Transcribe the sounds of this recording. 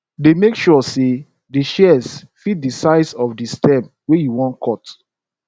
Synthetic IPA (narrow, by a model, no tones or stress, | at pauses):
demekʃɔse | diʃɛs | fit̚disaɪsɔfdistɛ̃mp | wejuwɔ̃nkʰɔt